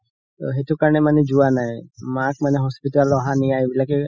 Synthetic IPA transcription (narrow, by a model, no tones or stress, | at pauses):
t̪ɔ̰ɦet̪ukaɾɳ̃emaned͡ʒuanaemakmaneɦɔspiʈalɔɦaniabilake